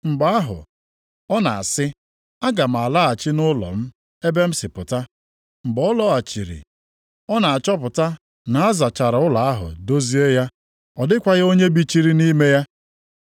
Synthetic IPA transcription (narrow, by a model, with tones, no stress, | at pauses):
ŋ͡m̩˨ɡ͡ba˦a˦ɦʊ̰˨ | ɔ˦na̰˨a̰˨sɪ˦ | a˦ɡa˨m̩˨a˨la˦a˨t͡ʃɪ˦nʊ˦lɔ̰˨m̩˦ | e˦be˦m̩˦sɪ˨pʊ˨ta˦ | m̩˨ɡ͡bɔ˦lɔ˦a˨t͡ʃi˨ɾḭ˨ | ɔ˦na˨a˨t͡ʃɔ˦p̬ʊ˨ta˦ | na˨a˦za˨t͡ʃa˨ɾa˨ʊ˦la˨a˦ɦʊ̰˨do˦zi˦e˦ja˦ | ɔ˨dɪ˦kʷa˦ɣa˦o˦ɲe˦bi˦t͡ʃi˦ɾi˦ni˦me˦ja˦